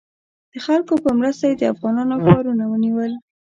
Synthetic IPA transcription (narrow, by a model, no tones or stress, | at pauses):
d̪̥əxalkopəmɾəst̪ajed̪əafɣɑnɑnokɑɾunawəniwəl